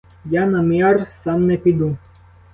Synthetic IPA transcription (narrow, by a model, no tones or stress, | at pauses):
janamiaɾsanːɛpid̪ũ